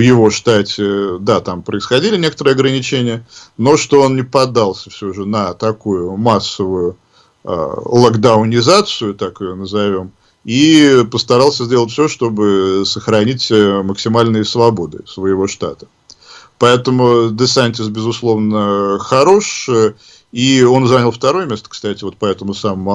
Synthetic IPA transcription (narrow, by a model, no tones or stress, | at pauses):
vjɪvo̞ʂt̪atʲɪd̪at̪ampɾəɪsxɐdʲilʲɪnʲe̞kə̥t̪əɾɨːɐɡɾənʲɪt͡ɕenʲɪjəno̞ʂt̪o̞onnʲɪpɐd̪ːalˠsʲəfsʲoʐɨnət̪ɐkujʊmasːəvʊjʊ̰ | lˠɐɡd̪aʊnʲɪzat̪sɨjʊt̪akɪjonəzɐvʲo̞m | ipəst̪ɐɾɑlˠsʲəzʲdʲelˠətʲfʲsʲoʂt̪o̞bɨsəxɾɐnʲitʲməksʲɪmalʲnɨjəsvɐbo̞d̪ɨ̰svəjɪvo̞ʂt̪at̪ə̥ | pɐɛt̪əmʊd̪ɨsanʲtʲɪsbʲɪzʊslˠo̞vnəxɐɾo̞ʂ | io̞nzanʲəlˠft̪ɐɾo̞jəmʲest̪ə̥kst̪atʲɪvo̞t̪̚pɐɛt̪əmʊsaməmʊ